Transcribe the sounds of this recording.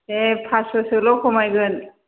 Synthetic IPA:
epʰasɔsɯlɔkʰɔmajɡɯn

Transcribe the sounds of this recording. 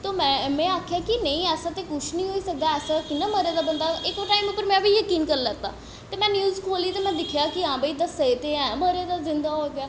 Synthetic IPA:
t̪oːmɛ̃ːmɛ̃ːaːkʰjaːkɪnəĩːɛːsãːt̪eːkʊt͡ʃʰnĩːɦoːiːsək̚d̪aːɛːsakɪnːãːməɾeːd̪aːbənd̪aːɪkoːʈaːimʊpːəɾmɛ̃ːʋʱiːjəkiːnkəɾlɛːt̪a̰ː | t̪eːmɛ̃ːnjuːzkʰoːliːt̪eːmɛ̃ːd̪ɪkʰjaːkɪãːbəiːd̪əseet̪eːɛ̃ːməɾeːd̪aːzɪ̃nd̪aːɦoɡɪjaː

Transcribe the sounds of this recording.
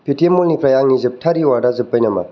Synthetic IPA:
pʰitiemolnipɾɐjaŋnizɨp̚tʰaɾiwaɾdazɨpːəjnɐma̰

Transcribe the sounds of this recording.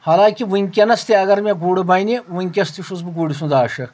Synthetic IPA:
haːlaːkʲiʋuŋʲkʲenɐst̪eɐɡɐɾmeɡuːɽɨbaːniʋuŋʲkʲɐst̪iʃusbɨɡuːɽis̬ũnd̪aːʃɐ

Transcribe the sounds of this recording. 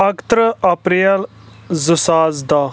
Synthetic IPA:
ɐkt̪ɾəɐpɾijɐlzəsaːzd̪a

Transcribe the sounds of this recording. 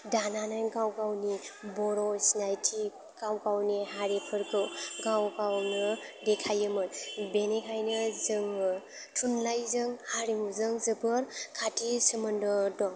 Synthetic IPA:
dananajnkawkawnibɔɾɔsinajtʰi | kawkawniɦaɾipʰɯɾkɯɡawkawnɯdekʰajɯmɯtbenekʰajnɯzɯŋɯ | tʰunlajzɯŋhaɾimuzɯŋzɯbɯɾkʰatʰisəmɯndɔdɔŋ

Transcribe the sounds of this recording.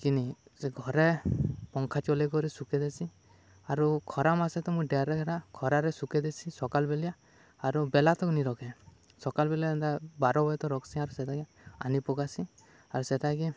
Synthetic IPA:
kinisɡʱɔɾɛpɔŋkʰat͡ʃɔlekɔɾɛsukɛd̪esi | aɾukʰɔɾamasɛt̪ɔmũjɖɛɾɛkʰɾakʰɔɾaɾɛsukɛd̪esʰisɔkalbɛlijaː | ɾubɛlat̪ɔkniɾɔkʰɛ | sɔkalbɛliad̪abaɾɔbɔjt̪ɔɾɔksiaɾusɛtaɡi | anipɔkasi | aɾusɛtaɡi

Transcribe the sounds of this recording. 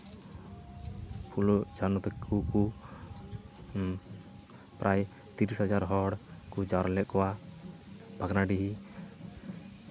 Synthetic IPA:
pʰulɔd͡ʒanɔt̪ɛkʰuku | pɾʔaj | t̪iɾisɦad͡ʒaɾɦɔɽkud͡ʒaɾlɛʔkɔwa | bʱaɡnaɖiɦi

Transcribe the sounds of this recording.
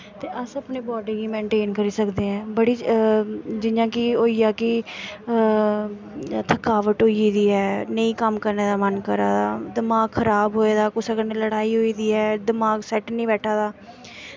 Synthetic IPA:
t̪eːʔəsəpneːbɔːɖiːɡiːmẽːɳʈeːnkəɾiːsəkd̪eːɦɛ̃ːbəɽiː | d͡ʒɪjãːkɪoːiːjaːkɪ | t̪ʰəkaːʋəʈɦoːiːd̪iːɛːnəĩːkəmkəɾneːd̪aːmənkəɾa̰ːd̪aːd̪ɪmaːɡxʰəɾaːbɦoːeːd̪aːkʊsəkəɾnẽːləɽaːiːɦoːiːd̪iːɛːd̪ɪmaːɡsɛːʈnĩːbɛːʈʰaːd̪aː

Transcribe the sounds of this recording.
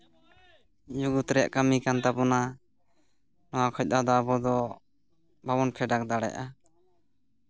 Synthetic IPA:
d͡ʒuɡut̪ɾɛja̰ʔkamikant̪apɔna | nɔwakʰɔc̚ˀad̪ɔabɔd̪ɔ | babɔnkʰɛɖak̚d̪aɽɛ̰ʔa

